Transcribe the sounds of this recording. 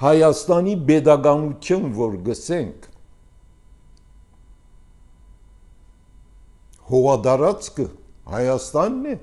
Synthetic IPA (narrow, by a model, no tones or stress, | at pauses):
hɑjɑst̪ɑnibɛd̪ɑɡɑnut̪ʰjunvɔɾɡəsɛŋkʰ | hɔʁɑd̪ɑɾɑt͡skəhɑjɑst̪ɑnːɛ